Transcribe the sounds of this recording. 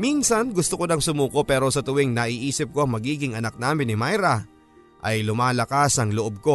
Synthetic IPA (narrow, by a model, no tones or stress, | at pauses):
minsɐnɡʊst̪okod̪ɐŋsʊmuːko̞pɛːɾo̞sɐt̪ʊwiŋnɐʔiːʔiːsɪp̚ko̞ʔɐŋmɐɡiːɡɪŋɐnɐk̚naːmɪnːɪmajɾɐ | ʔɐjlʊmaːlɐkasɐŋloʔob̚ko̞